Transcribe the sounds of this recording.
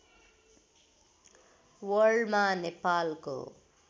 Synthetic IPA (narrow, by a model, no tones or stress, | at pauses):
wəɖmanepaːlko̰